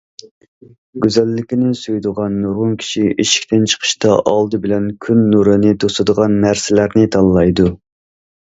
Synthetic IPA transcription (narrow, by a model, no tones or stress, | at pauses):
ɡʲyzɛlːɪkʲinɪsyjd̪ʊʁɑnːoʁʊŋkʲʰi̥ʃiʔiʃi̥kʲt̪ɪnt͡ʃʰə̥qʰə̥ʃt̪ɑʔɑlˠd̪ɨbɪlɛnkʲʰynːuɾɨnɪt̪ʰosɨd̪əʁɑnmæɾsɪlæɾnɪt̪ʰɑnlˠɑjd̪u